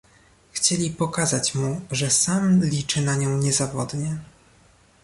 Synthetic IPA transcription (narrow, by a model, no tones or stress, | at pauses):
xt͡ɕelʲipɔkazat͡ɕmuʐɛsamlʲit͡ʂɘnaɲɔ̃w̃ɲɛzavɔd̪ɲɛ